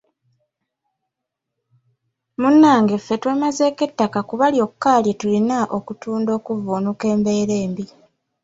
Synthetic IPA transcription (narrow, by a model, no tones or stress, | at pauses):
munːaːŋɡe̞fːe̞twe̞ːmaze̞ːke̞tːakakuβaljo̞kːaːljetulinaʔo̞kutuːndo̞ːkuvunuke̞ːmbe̞ːɾe̞ːmbi